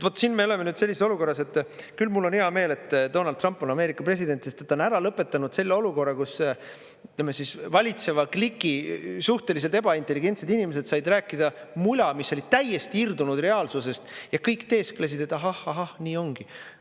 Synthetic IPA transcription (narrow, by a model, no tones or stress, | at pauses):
vo̞t̪ːˑsinmeole̞menyːd̪̥se̞lʲːiseso̞luko̞rːɑse̞t̪ːkylmulːo̞niɑme̞ːle̞t̪ːd̪o̞nɑld̪rɑmpːˑo̞nɑme̞ːɾikːˑɑpre̞s̬id̪̥e̞nt̪se̞st̪et̪ːˑo̞næɾɑlɤpːˑe̞t̪ːˑɑnud̪̥se̞lːeoluko̞rːɑkus | yt̪lemːesisvɑlʲit̪se̞vɑklikˑːisuht̪e̞lis̬elt̪e̞bɑint̪ːe̞lːiɡ̥e̞nt̪se̞d̪inimes̬e̞d̪̥sɑjd̪ræːkːˑid̪̥ɑmujlɑmisːo̞lʲit̪æje̞st̪iird̪unud̪re̞ɑːlsuse̞st̪jɑkɤjkt̪e̞ːskles̬id̪̥e̞t̪ːˑɑɦɑhɑɦɑhniːo̞ŋɡ̥i